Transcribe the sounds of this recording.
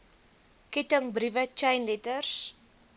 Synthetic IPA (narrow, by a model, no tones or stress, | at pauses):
kɛtəŋbɾivət͡ʃajnlɛtərs